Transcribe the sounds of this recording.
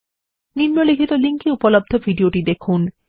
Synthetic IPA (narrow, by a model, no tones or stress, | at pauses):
nimːolikʰit̪oliŋkiupolob̚d̪ʱobʱiɖioʈid̪ekʰun